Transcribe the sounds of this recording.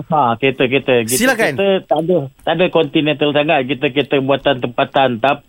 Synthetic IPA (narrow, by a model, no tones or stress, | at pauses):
hãket̪ək̬et̪əkitsilakant̪ət̪adət̪adəkɔnt̪inɛnt̪əlsaŋat̪̚kit̪əket̪əbuat̪ant̪əmpat̪ant̪ap̚